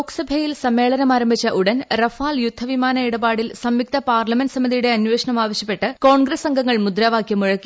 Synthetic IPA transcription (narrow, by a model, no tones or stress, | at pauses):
okːɐ̥sɐbʱɐjilsɐmːe̞ːɭɐnɐmaːɾɐmbʱit͡ɕːɐʔuɽɐnrɐfaːljud̪ʱːɐʋimaːnɐiɽɐbaːɽilsɐmjik̚t̪ɐpaːrlɐmenɖɨsɐmiðijuɽe̞ɐnwʋe̞ːʂɐɳɐmaːʋɐɕjɐpːe̞ʈːɨko̞ːɳɡɾɐsɐŋɡʱɐŋːɐɭmud̪ɾaːʋaːkjɐmuɻɐkːi